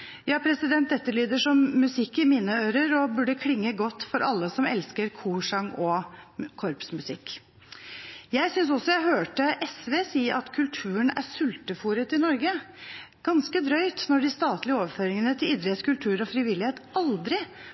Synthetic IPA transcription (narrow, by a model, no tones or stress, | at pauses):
jɑːpʰɾɛsɪd̪ɛnt̪̚d̪ɛt̪ːəliːd̪əʂɔmːʉsɪkːɪmɪnəøːɾəɾɔbʉɖəkʰlɪŋːəɡɔt̪ːfɔɾʔɑlːəsɔmɛ̰lskəɾkʰuːʂɑŋɔkʰɔɾpsmʉsɪkː | jæɪsʏns̬ɔsːɔjæɪɦøːʈəʔɛsʋeːsiːəʔɑt̪kʰʉlt̪ʰʉːənæ̰sʉlt̪əfuːɾət̪ɪnɔɾɡə | ɡ̥ɑnskəd̪ɾœʏt̪nɔɖɪst̪ɑːt̪lɪəoːʋəɾføːɾɪŋənət̪ʰɪlɪd̪ɾəet̪skʉlt̪ʰʉːɾɔfɾɪʋɪlːɪheːt̪ɑld̪ɾɪ